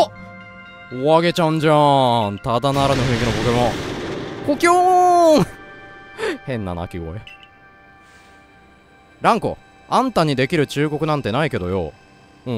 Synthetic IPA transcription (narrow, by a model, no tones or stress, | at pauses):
o | oaɡe̞t͡ɕãɲ̟d͡ʑãnt̪ad̪anaɾano̞ɸɯ̟̃ikʲino̞kokʲomo | kokʲo | hẽ̞nːa̰na̰kʲiɡo̰e | ɾãŋko̞̰ | ãnt̪aɲ̟id̪e̞kʲiɾɯ̟t͡ɕɨːɡo̞kɯnãnt̪e̞naike̞d̪o̞jo̰ | ɯ̃